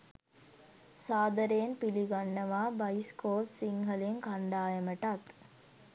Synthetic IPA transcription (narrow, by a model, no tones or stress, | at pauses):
saːd̪ɐɾeːnpiliɡanːɐʋaːbɐjskoːlsiŋɡɐleŋkaɳɖaːjɐməʈɐt̪